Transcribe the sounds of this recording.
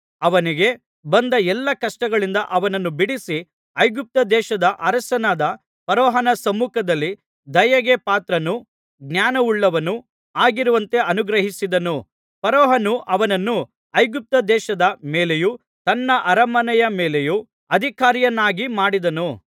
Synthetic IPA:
ɐʋɐniɡe̞ | bɐnd̪ɐɛlːɐkɐʂʈɐɡɐɭind̪ɐʔɐʋɐnɐnːubiɽisi | ɐjɡup̚t̪ɐd̪ɛːʃɐd̪ɐʔɐɾɐsɐnaːd̪ɐ | pɐɾɔːɦɐnɐsɐmuːkʰɐd̪ɐlːi | d̪ɐjɐɡepaːt̪ɾɐnu | ɡnaːnɐuɭːɐʋɐnu | aːɡiɾuʋɐnt̪e̞ɐnuɡɾɐɦisid̪ɐnu | pɐɾɔːɦɐnuʔɐʋɐnɐnːu | ɐjɡup̚t̪ɐd̪ɛːʃɐd̪ɐmeːleju | t̪ɐnːɐʔɐɾɐmɐnɐjɐmeːleju | ɐd̪ʱikaːɾijɐnːaːɡimaːɽid̪ɐnu

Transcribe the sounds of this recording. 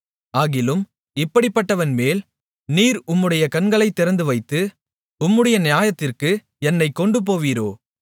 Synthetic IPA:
aːɣɪlɯm | ɪpːɐɽɪpːɐʈːɐʋɐnmeːl | niːɾʊmːɯɽɐjɐkɐnɡɐɭɐɪt̪ːɪɾɐnd̪ɯʋɐɪt̪ːɯ | ʊmːɯɽɐjɐnɪjaːjɐt̪ːɪrkɯ | ɛnːɐɪkːɔɳɖɯp̬oːʋiːɾoː

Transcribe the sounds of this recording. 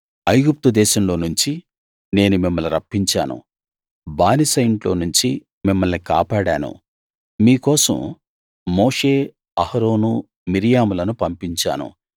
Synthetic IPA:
ɐjɡup̚t̪ud̪ɛːʃɐmlo̞ːnuɲt͡ʃi | ne̞ːnumimːɐluɾɐpːiɲt͡ʃa̰ːnṵ | baːnisɐjɳʈlo̞ːnuɲt͡ʃi | mimːɐlnika̰ːpaːɽaːnṵ | miːkɔːsɐ̰mː | ɔːʂeː | ɐhɐɾo̞ːnu | miɾijaːmulɐnupɐmpiɲt͡ʃa̰ːnṵ

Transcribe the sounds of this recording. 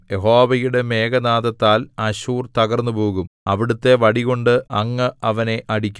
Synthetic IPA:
je̞ɦo̞ːʋɐjuɽe̞me̞ːɡɐnaːðɐt̪ːaːlɐɕuːrt̪ɐɣɐrnːɨpoːɣumɐʋiɽut̪ːe̞ʋɐɽiɣo̞ɳɖɨɐŋːɐɐʋɐne̞ʔɐɽikʲːu

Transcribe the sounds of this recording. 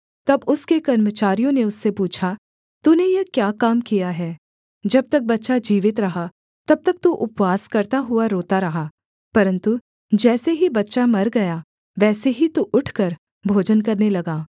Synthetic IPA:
t̪ɐbʊskekɐɾmət͡ʃaːɾijõneʊsːepuːt͡ʃʰa | t̪unejɐkjaːkaːmkijaɦɛː | d͡ʒɐb̚t̪ɐk̚bɐtːʃad͡ʒiːʋɪt̪ɾɐɦa | t̪ɐb̚t̪ɐk̚t̪uʔʊpʋaːskɐɾt̪aɦʊaɾoːt̪aɾɐɦaː | pɐɾə̃nt̪u | d͡ʒɛːseɦibɐtːʃamɐɾɡɐja | ʋɛːseɦit̪uʔʊʈʰkɐɾ | bʱoːd͡ʒənkɐɾnelɐɡaː

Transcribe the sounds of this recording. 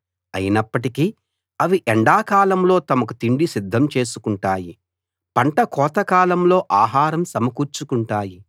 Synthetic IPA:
ɐ̰jinɐpːɐʈiki | ɐʋiʔɛɳɖaːkaːlɐmlo̞ːt̪ɐmɐk̬ut̪iɳɖisid̪ʱːɐmt͡ʃe̞ːsukuɳʈaːji | pɐɳʈɐkɔːt̪ɐkaːlɐmlo̞ːʔaːɦaːɾɐmsɐmɐkuːɾt͡ʃukuɳʈaːji

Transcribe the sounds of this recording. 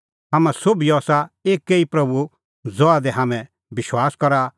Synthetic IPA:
ɦaːmãsobiɔːsaeːkːeipɾɐbu | d͡zɔad̪ɛɦaːmɛ̃ | bɪʃwaːskɔɾa

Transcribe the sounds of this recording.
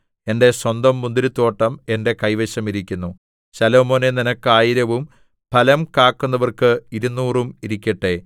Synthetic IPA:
e̞nde̞swɐnd̪ɐmːund̪iɾut̪ːo̞ːʈːɐme̞nde̞kɐjʋeɕɐmiɾikʲːunːu | ɕɐlo̞ːmo̞ːneninɐkːaːjiɾɐʋum | pʰɐlɐmkaːkːunːɐʋɐrkɨiɾunːuːrumiɾikʲːɐʈːe̞

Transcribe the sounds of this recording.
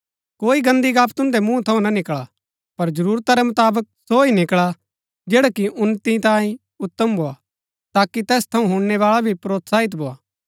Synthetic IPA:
koːiɡɐ̃nd̪iɡaːpʰt̪ʊ̃nd̪ɛmũt̪ʰɐũnɐnɪkɭa | pɐɾd͡ʒɐɾuːɾt̪aɾɛmɐt̪aːbək̚soinɪkɭa | d͡ʒɛːɽakiʔʊnːt̪it̪ãːĩ | ʊt̪ːəmbʱoːa | t̪aːkːit̪ɛːst̪ʰɐũɦʊɽnɛʋaːɭabʱipɾoːt̪saːɦɪt̪̬bʱoːaː

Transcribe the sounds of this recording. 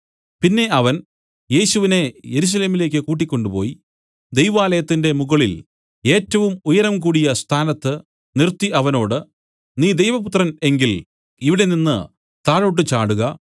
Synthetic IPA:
pinːe̞ʔɐʋɐn | je̞ːɕuʋine̞je̞ɾus̬ɐle̞ːmile̞ːk̬ʲːɨkuːʈ̬ːikʲːo̞ɳɖupo̞̰ːji | d̪e̞jʋaːlɐjɐt̪ːinde̞muɣɐɭil | e̞ːtːɐʋumujɐɾɐmkuːɽijɐst̪ʰaːnɐt̪ːɨ | nirt̪ːiʔɐʋɐno̞ːɽɨ | niːd̪ejʋɐput̪ːrɐne̞ŋɡil | iʋiɽe̞ninːɨ | t̪aːɻoʈ̬ːɨt͡ɕaːɽuɣɐ

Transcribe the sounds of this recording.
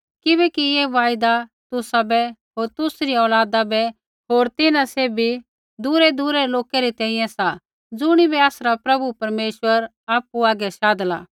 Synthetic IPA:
kɪbɛːkijeʋaːɪd̪at̪ʊsabɛɦoːɾt̪ʊsɾiɔːlaːd̪abɛ | ɦoːɾt̪ɪnãseːbi | d̪ʊɾɛd̪uɾɛloːkɛɾit̪ɛ̃ːĩjɛ̃sa | d͡zʊɽ̃ibɛaːsɾapɾɐbupɐɾmeːʃwəɾ | aːpuaːɡɛʃaːd̪əla̰

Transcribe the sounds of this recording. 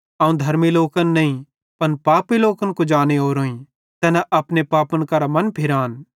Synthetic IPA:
ɐũd̪ʱɐɾmiloːkənːɐĩ | pɐnpaːpiloːkənkod͡ʒaːneɦoːɾoːĩ | t̪ɛːnɛʔɐpnepaːpənkɐɾamɐnpʰɪɾaːn

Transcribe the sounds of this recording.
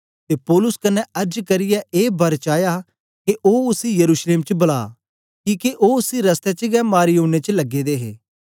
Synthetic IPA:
t̪eːpɔːlʊskɐnːɛɐɾd͡ʒkɐɾɪjaʔeːbɐɾt͡ʃaːja | keʔoːʊsijɐɾuːʃleːmt͡ʃbɐla̰ː | kiːkeʔoːʊsiɾɐst̪ɛt͡ʃəɡɛmaːɾiõːñet͡ʃəlɐɡed̪eːɦḛː

